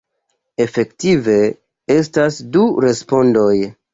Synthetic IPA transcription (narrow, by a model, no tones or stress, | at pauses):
e̞fe̞ktive̞ | e̞stasduɾe̞spo̞ndo̞j